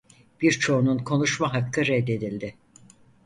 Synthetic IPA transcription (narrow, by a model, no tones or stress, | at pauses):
b̥iɾt͡ʃʰo̞ununkʰo̞nuʃmaɦakʰːɯɾɛd̪ːe̞d̪ilʲd̪ɪ